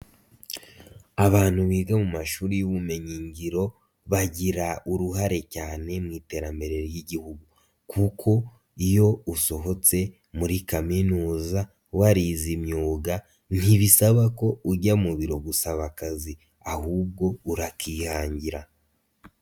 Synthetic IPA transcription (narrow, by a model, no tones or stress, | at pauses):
aβaːn̥huβiːɡamumaʃuːɾijuβume̞ɲiɲɟiɾo̞ | βaɟiɾaʔuɾuɦaɾe̞caːne̞mŋiːte̞ːɾambe̞ɾe̞ɾjiɟihuɡu | kʰukʰo̞ | ijo̞uso̞ɦo̞t͡se̞ | muɾikaminuːza | waɾizimɲuːɡa | n̥hiβisaβako̞uɟamuβiɾo̞ɡusaβakazi | ahuːb̚ɡo̞uɾakiːhaːɲɟiɾa